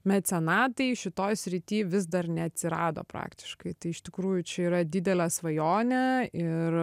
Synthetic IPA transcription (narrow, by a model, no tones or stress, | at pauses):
mʲɛt̪ʲsʲɛnɑːt̪ɐɪʃʲɪt̪oːjsʲɾʲɪt̪ʲiːʋʲɪz̬d̪ɐrnʲɛɐt̪ʲsʲɪɾɑːd̪o̰ːpɾɑ̰ːkt̪ʲɪ̥ʃkɐɪt̪ɐɪɪʃt̪ʲɪkɾuːjʊt͡ʃʲɛiːɾɐd̪ʲɪd̪ʲɛlʲɛːsʋɐjoːnʲɛɪr